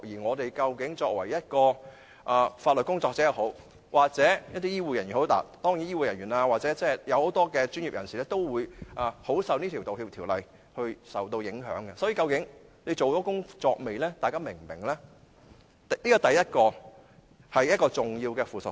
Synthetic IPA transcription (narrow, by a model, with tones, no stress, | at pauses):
jiː˨˩ŋɔː˨˧t̪e˨jkɐ˧wkɪ˨˥ŋt͡ʃɔː˧k̚wɐ˨˩jɐ˥t̚kɔː˧ | ʔaː˨faː˧t̚lɵ˨t̚kʊ˥ŋt͡sɔː˧k̚t͡sɛː˨˥jɐ˨˧who˨˥w | wʔaː˨k̚t͡sɛː˨˥jɐ˥t̚t̪iː˥jiː˥wuː˧jɐ˨˩njy˨˩nho˨˥wt̪a̰ː˨˩t̪ɔː˥ŋjiː˨˥njiː˥wuː˨jɐ˨˩nɥyː˨˩naː˧waː˨t͡sɛ˨˥t͡sɛː˥jɐ˨˧who˨˥wt̪ɔː˥kɛː˧t͡ʃy˥njiː˨p̚jɐ˨˩nsi˨lɛː˥t̪o˥wwuː˨˧jʔaː˨˧ho˨˥wsɐ˨˧wniː˥t̪ʰi˨˩wt̪o˨whiː˧p̚t̪ʰiː˨˩wlɐ˨j | hɵ˧ɥsɐ˨wt̪o˧wjɪ˨˥ŋɦœ̰ː˨˥ŋɡɛ˧sɔː˨˥jiː˧kɐ˧wkɪ˨˥ŋle˨˧jt͡so˨wt̪ɔː˨˥kʊ˥ŋt͡sɔː˧k̚me˨jlɛː˥t̪aː˨jkaː˥mɪ˨˩ŋmɪ˨˩ŋlɛː˥˨ | niː˥kɔ˧˩t̪ɐ˨jjɐ˥t̚kɔː˧ | hɐ˨jɐ˥t̚kɔː˧t͡sʊ˨˩ŋjiː˧wkɛː˧fuː˨sʊ̰˨